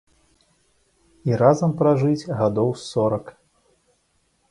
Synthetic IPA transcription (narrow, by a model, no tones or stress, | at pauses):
iɾazɐmpɾaʐɨd͡zʲɣad̪ɔwsɔɾɐk